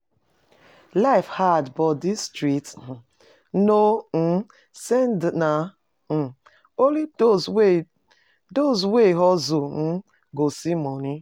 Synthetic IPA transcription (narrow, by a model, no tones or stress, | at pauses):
laɪfhadbɔdistɾit | non̩ | sɛndna | onlidozwe | dozweɦɔzun̩ | ɡosimɔni